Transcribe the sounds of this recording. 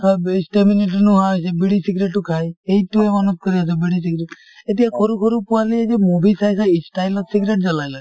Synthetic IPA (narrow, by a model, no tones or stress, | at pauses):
kʰaisʈemineʈəɾnuɦasebiɽisiɡɾeʈːukʰajejʈuemɔnut̪̚kəɾiasʰɔbiɽisiɡɾeʈ | et̪ijakʰɔɾukʰɔɾupuwalid͡ʒemubisajsaisʈajlɔt̪siɡɾeʈ̚d͡ʒalajla